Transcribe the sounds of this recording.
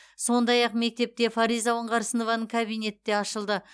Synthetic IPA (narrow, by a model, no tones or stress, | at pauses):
so̞nd̪ɑjɑqme̞k̚t̪e̞p̚t̪e̞faɾijzawəɴʁɑɾsəno̞vɑnəɴkʰabijne̞t̪ːe̞ɑʃəlˠd̪ə